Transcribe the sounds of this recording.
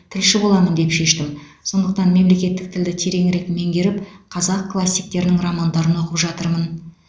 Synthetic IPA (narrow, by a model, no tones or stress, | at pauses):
t̪ʰɪlʃɪbo̞lˠɑmənd̪e̞pʃe̞ʃt̪ɪmso̞nd̪əq̚t̪ɑnme̞mle̞kʲe̞t̪ːɪk̚t̪ʰɪld̪ɪt̪ʰe̞ɾe̞ŋɾe̞kme̞ŋɡʲe̞ɾɪpqʰɑzɑqklˠasʲːijk̚t̪e̞ɾɪnɪŋramand̪ɑɾəno̞qəpʒɑt̪əɾmən